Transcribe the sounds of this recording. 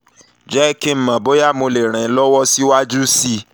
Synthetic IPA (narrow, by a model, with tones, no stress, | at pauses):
d͡ʒɛ˦kĩ˦m̩˦mã˨bo˦ja˦˨mo˧le˨ɾ̃ã˨ĩ˨˦lɔ˦wɔ˦si˦wa˦d͡ʒu˦si˧